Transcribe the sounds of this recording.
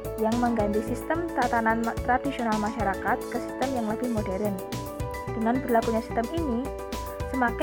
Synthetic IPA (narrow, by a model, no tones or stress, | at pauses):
jaŋməŋɡant̪isist̪əmt̪at̪anant̪ɾadisionalmaʃaɾakat̪̚kəsi̥st̪əmjaŋləb̥ɪhmodɛɾən | d̥əŋanbərlakuɲasi̥st̪əmini | səmak